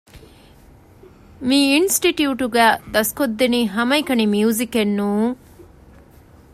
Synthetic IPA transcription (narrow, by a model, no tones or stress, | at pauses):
miːnsʈiʈjuːʈuɡæːd̪ɐskod̪ːeniːɦɐmɐikɐnimiuzikenːuːŋ